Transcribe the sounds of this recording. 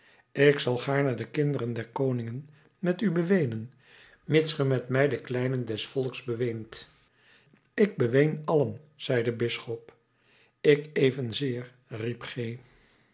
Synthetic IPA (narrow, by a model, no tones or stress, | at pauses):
ɪksɑlˠχaːɹnədəkɪndərəndɛɹkownɪŋən | mɛtybəʋejnən | mɪtsχəmɛtmɛjdəklɛjnəndɛsfɔlˠksbəʋejnt | ɪɡ̚bəʋejnɑlən | z̥ɛjdəbɪsχɔp | ɪkejvənzɪːr | ripχej